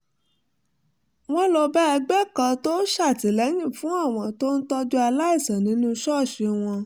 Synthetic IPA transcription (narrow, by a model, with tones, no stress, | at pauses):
w̃ɔ̃˦lo˧bɛ˦ɛ˧ɡ͡bɛ˦kã˧to˦ʃa˦˨ti˨lɛ˨˦jĩ˦˨fũ˨˦a˦˨w̃ɔ̃˧to˦n̩˦tɔ˦d͡ʒu˦a˧la˦i˦˨sã˨nĩ˨˦nũ˦˧˦ʃɔ˦˨ʃe˧w̃ɔ̃˧